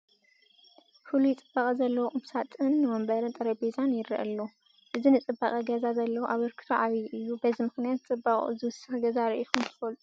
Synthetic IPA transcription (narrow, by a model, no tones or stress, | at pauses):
fɨlujit͡sʼɨbːakʼizɐlːɐwoʔʼɨmsat̪ʼɨnːɨmɐmbɐɾɨnt̪ʼɐɾɐjbezanjɪɾḭʔɐ̰lːo | ʔɨzinɨt͡sʼɨbːakʼɐɡɐzazɐlːɐwoʔaβɨɾkʰɨ̥t̪ʰuʕaβiʔɨjːubɐzimɨxnijat̪t͡sʼɨbːakʼzɨwʊsɨxɡɐzaɾiʔikʰumt̪ʰɨ̥fɐlt̪ʼu